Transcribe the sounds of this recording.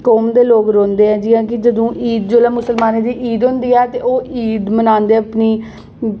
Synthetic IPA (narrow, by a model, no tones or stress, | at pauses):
koːmd̪eːloːkɾõːnd̪eːɦɛ̃ːd͡ʒɪːãːkɪd͡ʒəd̪õːʔiːd̪d͡ʒoːlɛːmʊsəlmaːneːd̪iːʔiːd̪ɦõnd̪iːɛːt̪eːoːiːd̪mənãːnd̪eːəpniː